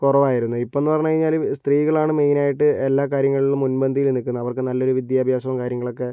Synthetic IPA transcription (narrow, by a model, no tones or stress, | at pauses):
korɐʋaːjiɾunːuipoe̞nːɨpɐrɐɲːukɐɻiɲːaːlst̪riːɣɐɭaːɳɨmejnaːjiʈːɨe̞lːaːkaːɾjɐŋːɐɭilumunbɐnd̪ʱijilnikːunːɐʋɐrkɨnɐlːo̞ɾuʋid̪jaːbʱjaːsɐʋɐmkaːɾjɐŋːɐɭo̞kːe̞